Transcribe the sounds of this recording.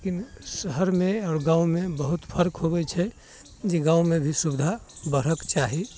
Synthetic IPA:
lekinsəɦəɾmẽaːɾɡãumebəɦut̪pʰəɾkɦobɛt͡ʃʰɛ | d͡ʒeɡãumebʱisubd̪ʱabəɾ̤əkt͡ʃaɦi

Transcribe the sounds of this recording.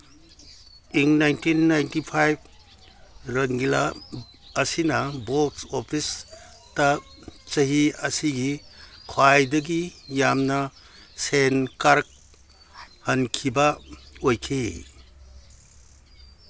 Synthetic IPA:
iŋnajntinːajntipʰajb̚ | ɾɐŋɡila̰ː | sinɐbotsopʰis | tɐ | t͡ʃɐɦiɐsiɡikʰwajdɐɡijamnɐ | senkaɾk̚ | hɐnkʰibɐojkʰi

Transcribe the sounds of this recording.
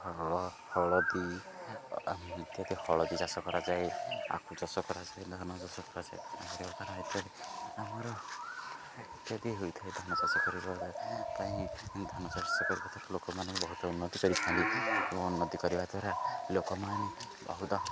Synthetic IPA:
hɔɭɔhɔɭɔd̪i | t̪jad̪ihɔɭɔd̪id͡ʒasɔkɔɾad͡ʒaea̰kʰud͡ʒɔsɔkɔɾad͡ʒajd̪ʱɔnɔd͡ʒɔsɔkɔɾad͡ʒaja̰mɔɾibat̪aɾɔet̪jɔd̪iamɔɾɔ | it̪jad̪iɦujt̪ʰaejd̪ʱɔnɔd͡ʒasɔkɔɾibɔɾpaĩd̪ʱɔnɔsɔɾsɔkɔɾibat̪ʰɔɾɔlokɔmanɔ̃ŋkubɔɦut̪ɔunːɔt̪ikɔɾisʰaniɔ̃unːɔt̪ikɔɾibad̪aɾalokɔmane | bɔ̰ɦut̪ɔ

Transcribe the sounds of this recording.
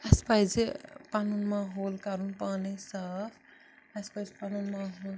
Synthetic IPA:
aspajd͡zpanunmaɦolkaɾunpanesapʰ | aspajzpanunmaɦol

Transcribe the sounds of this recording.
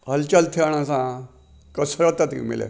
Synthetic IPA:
əlt͡ɕalt̪ʰiaɳ̃ãsã | kəsɾat̪at̪ḭmḭlḛ

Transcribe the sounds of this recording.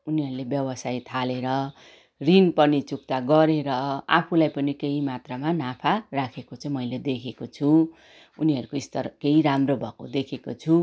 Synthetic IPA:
uniɦʌɾulebjʌbʌsajt̪ʰaleɾʌ | rinpʌnit͡suk̚t̪aɡʌɾeɾʌa̰pʰulajpʌnikeɦimat̪ramanapʰarakʰekot͡sʌ̃ĩmʌjled̪ekʰekot͡sʰu | uniɦʌɾukoist̪ʌrkeiɾamrobʱʌkod̪ekʰekot͡sʰu

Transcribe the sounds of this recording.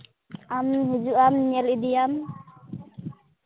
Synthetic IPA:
amɦud͡ʒuʔamɲɛlid̪ijam

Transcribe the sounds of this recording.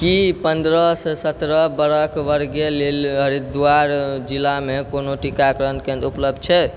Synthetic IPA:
kipənd̪ɾəsesət̪ɾəbəɾəkʋəɾɡjelelɦəɾid̪waɾd͡ʒilːamekonoʈikakɾənkẽnd̪upləb̚d̪̚t͡ʃʰɛ

